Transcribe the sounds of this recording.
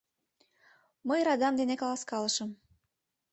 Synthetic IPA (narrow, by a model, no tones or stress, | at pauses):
məjɾɑd̪ɑmd̪enekɑlɑskɑlɤʃə̆m